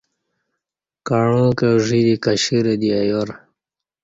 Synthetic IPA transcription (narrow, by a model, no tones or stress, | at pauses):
kaɳõːkeʐid̪ikaɕiɾed̪iajoɾ